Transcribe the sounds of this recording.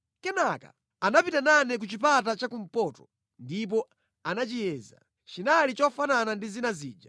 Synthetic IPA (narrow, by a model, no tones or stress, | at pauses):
kɛnaka̰ | anapitananɛk̬ut͡ʃipatat͡ʃakum̩pɔːtɔ̥ | ndip̬ɔ | anat͡ʃijɛːza̰ | t͡ʃinalit͡ʃɔfananandizinaziːd͡ʒa